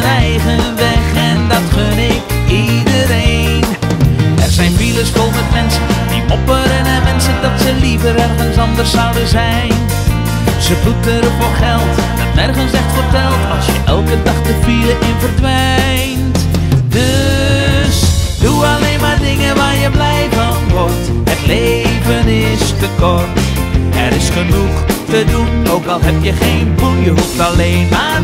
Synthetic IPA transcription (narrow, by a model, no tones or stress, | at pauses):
ənɛjχənʋɛχɛndɑtkønɪk | idəɾej | n | ɛrzɛjnfiləsfolˠmɛtmɛnsəndimɔpəɾənɛnmɛnsəndɑtsəlivəɾɛrɣənsɑndərsːawdəzɛjn | səblutəɾəfoːrχɛlˠtdɔtnɛrχənsdɛxtfərtɛlˠtɑlˠsjəʔɛlˠkədɑχtəpiləʔɪnvərdʋɛ | j | nt | dø | sduɑleːnmaːrdɪŋəʋaːɹjəblɛjvənʋɔrtɦətleːvənɪstəkɔrtɛɾɪsχənuχtədunowkɑlˠɦɛp̚jəχejnpunjəɦuftɑleːnmaː